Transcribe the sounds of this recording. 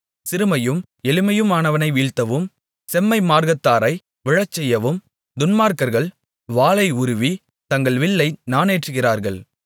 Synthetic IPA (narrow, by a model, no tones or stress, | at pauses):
sɪɾɯmɐjɯm | ɛlɪmɐjɯmaːnɐʋɐnɐɪʋiːɻt̪ːɐʋɯm | sɛmːɐɪmaːɾɣɐt̪ːaːɾɐɪ | ʋɪɻɐt͡ʃːɛjːɐʋɯm | d̪ʊnmaːɾkɐɾɣɐɭ | ʋaːɭɐɪʊɾʊʋi | t̪ɐŋɡɐɭʋɪɭːɐɪnaːneːʈrɯɣɪraːɾɣɐɭ